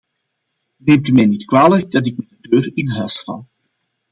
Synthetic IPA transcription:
neːmtymɛjnitkwaːləɡ̚dɑtɪk̚mɛdədøːrɪnɦœɥsfɑ̰lˠ

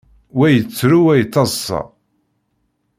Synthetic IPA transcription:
wæjət͡sːɾuwæjət͡sːɑzsɑ̰

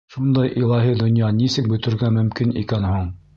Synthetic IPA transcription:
ʃund̪ɑjʔilˠɑɦid̪ŏnjɑnisɘk̚bɵ̆t̪ɘ̆ɾɡæmɵ̆mkinḭkænhuɴ

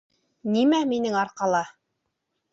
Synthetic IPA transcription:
nimæminɘŋɑɾqɑlˠɑ

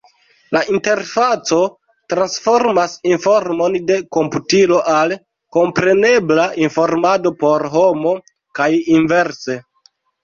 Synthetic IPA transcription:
laʔinte̞ɾfat͡so̞ | tɾansfo̞ɾmasinfo̞ɾmo̞nde̞ko̞mputilo̞ʔal | ko̞mpɾe̞ne̞blainfo̞ɾmado̞po̞ɾɦo̞mo̞ | kajinve̞ɾse̞

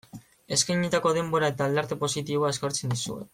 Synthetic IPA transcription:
e̞skajɲit̪ako̞ð̞e̞mbo̞ɾae̞t̪aːld̪eɾt̪e̞po̞sit̪iβ̞oae̞skoɾt͡se̞nd̪isṵe̞̰

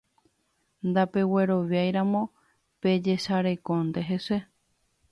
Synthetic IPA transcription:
nd̪ape̞we̞ɾo̞ʋjajɾamõ̞ | pe̞d͡ʒe̞ʃaɾe̞kõnd̪e̞ɦe̞se

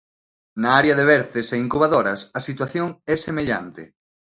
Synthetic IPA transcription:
naaɾeɐðeβɛɾθeseiŋkuβaðoɾɐsɐsit̪waθjoŋɛsemeʎa̰nt̪ɪ̰

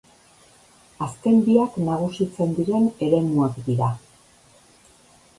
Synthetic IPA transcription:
aske̞mbiaknaɣ̞usit͡se̞nd̪iɾe̞ne̞ɾe̞muakd̪iɾa

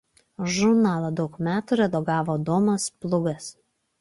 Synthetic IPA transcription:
ʒʊɾnɑːlˠɐd̪ɒʊkmʲæːt̪uɾʲɛd̪ɔɡɑːʋoːd̪oːmɐsplˠʊɡɐs

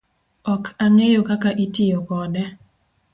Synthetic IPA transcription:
ɔkʰaŋejokakaʔitijokɔdɛ

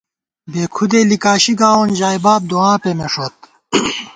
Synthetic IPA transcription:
beːkʰud̪eːlikaːɕiɡaːond͡ʑaːjbaːb̚d̪oãːpemeʂot̪̚

